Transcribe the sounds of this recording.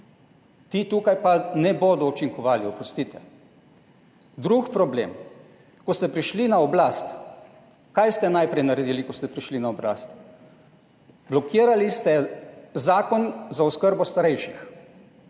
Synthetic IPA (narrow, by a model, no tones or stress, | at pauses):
t̪it̪uːkajpanɛboːd̪ɔɔt͡ʃiŋkɔʋaːliɔpɾɔst̪it̪ɛ | d̪ɾukpɾɔblḛm | kɔst̪ɛpɾiʃlinaɔblast̪ | kajst̪ɛnajpɾɛjnaɾɛd̪ilikɔst̪ɛpɾiʃlinaɔbla̰ːst̪ | blɔkiːɾalist̪ɛzaːkɔnzaɔskəɾbɔst̪aɾɛjʃix